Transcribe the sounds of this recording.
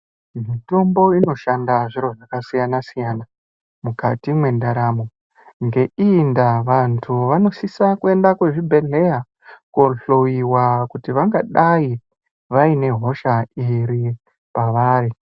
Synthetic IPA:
mito̞mbo̞ino̞ʃandaʐiɾo̞ʐakasijanasijana | mukatimwe̞ndaɾamo | ŋɡe̞indaʋantʰuʋano̞sisakue̞ndakwe̞ʐibʱe̞ɮe̞ja | koɬojiwakutiʋaŋɡaɗai | ʋaine̞ɦo̞ʃaiɾi | paʋaːɾi

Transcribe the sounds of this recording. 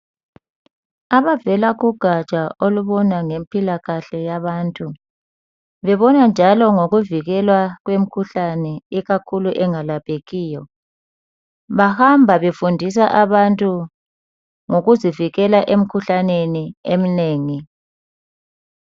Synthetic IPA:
aβavɛlaɣuɡ̥ʱat͡ʃʼaʔoluβɔnaŋempʼilaɣaɬɛjaβaːntʼu | βɛβɔnand͡ʒʱalɔŋoɣuviɣɛlwaɣwem̩kʰuɬanɛiɣakʰuluʔɛŋalapʰʼeɣiːjɔ | βahambʱaβefundʱis̬aʔaβantʼu | ŋoɣuziviɣɛlaʔem̩kʰuɬaneniem̩neːŋi

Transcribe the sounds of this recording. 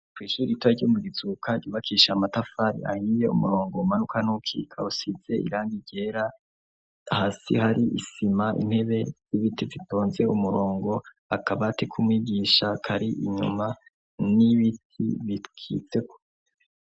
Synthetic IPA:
kwiːʃuɾitwaɟomuɡiz̥ukʰaiβakʰiːʃamatafaɾḭa̰hiːje̞ṵmuɾo̞ːŋɡo̞manukanukʰḭkʰausiz̥e̞ḭɾaːŋɡiɟ̥e̞ːɾa | haːsḭhaɾiʔisimaʔḭn̥he̞βe̞z̥iβitivitoːnze̞umuɾo̞ːŋɡo̞ | akʰaβatekʰumwiːɡiːʃakʰaɾiʔiɲṵma | niβitʰḭβikʰḭt͡se̞ko

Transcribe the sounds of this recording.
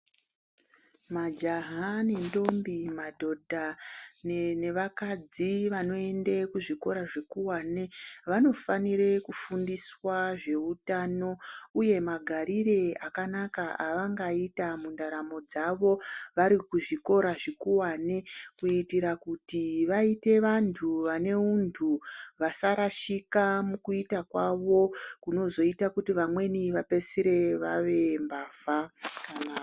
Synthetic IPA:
mad͡ʒaɦane̞ndo̞mbimadʱo̞dʱanne̞ʋakad͡ziʋano̞e̞ndekuʐiko̞ɾaʐekuwaːneʋano̞fanire̞kufundiswaʐe̞utano̞uje̞maɡʱaɾire̞akanakaaʋaŋɡaitamundaɾamo̞d͡zaʋo̞ʋaɾikuʐiko̞ɾaʐikuwanekuitiɾakutiʋaite̞ʋantʰuʋane̞untʰuʋasaɾaʃikamukuitakwaʋo̞kuno̞zo̞itakutiʋamwe̞niʋape̞siɾe̞ʋaʋe̞mbaːvaka

